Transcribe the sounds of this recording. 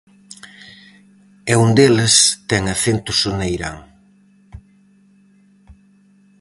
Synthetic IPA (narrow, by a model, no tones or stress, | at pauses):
ɛund̪elɪst̪ɛŋɐθent̪ʊsʊnejɾa̰ŋ